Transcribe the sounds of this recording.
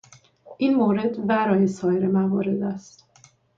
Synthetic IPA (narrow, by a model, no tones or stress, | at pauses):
ʔiːnmoːɾe̞d̪væɾɒːjesɒːjeɾemævɒːɾe̞d̪æst̪